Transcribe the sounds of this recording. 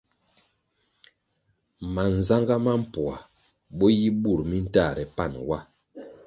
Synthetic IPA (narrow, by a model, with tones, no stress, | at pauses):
ma˨n˨za˦ŋɡa˦ma˦m̩˦˨pwa˨ | ɓɔ˦ji˦bu˦˨ɾmi˦n̩˦ta˦˨ɾɛ˨pa˦˨nwa˦˨